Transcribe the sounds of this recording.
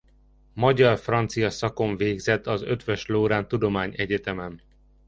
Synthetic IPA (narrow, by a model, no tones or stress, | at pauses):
mɒɟɒrfrɒnt̪sijɒsɒko̞ɱveːɡzɛt̪ːɒzø̞t̪ʋøʃloːɾaːnt̪ud̪o̞maːɲɛɟɛt̪ɛmɛn